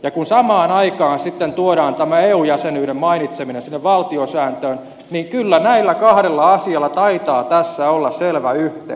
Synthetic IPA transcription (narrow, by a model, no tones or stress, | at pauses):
jɑkunsɑmɑːnɑikɑːnsit̪ːent̪uoɾɑːnt̪æmæeːuːjæsenyːɾemmɑinit̪seminensinːeʋʋɑlt̪iosæːnt̪øːn | niŋkylːænæilːækɑhɾelːɑɑsiɑlːɑt̪ɑit̪ɑːt̪æsːæolːɑsselʋæyht̪ḛ